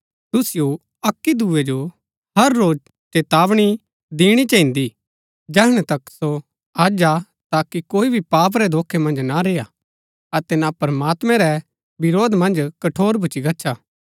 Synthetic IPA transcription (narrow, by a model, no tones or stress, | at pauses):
t̪ʊsɪjo | ɐkːid̪uːed͡ʒo | ɦɐɾːoːd͡ʒ | t͡ʃeːt̪aːʋɽ̃i | d̪iːɽ̃it͡ʃɐ̃ĩnd̪i | d͡ʒɛːɦɽ̃ɛt̪ɐkso | aːd͡ʒa | t̪aːkikoːibʱipaːp̬ɾɛd̪oːkʰemɐ̃nd͡ʒnaɾeːja | ɐt̪ɛnapɾəmaːt̪mɛ̃ɾɛ | bɪɾoːd̪mɐ̃nd͡ʒkɐʈʰoːɾbʱʊt͡ʃiɡɐtːʃʰa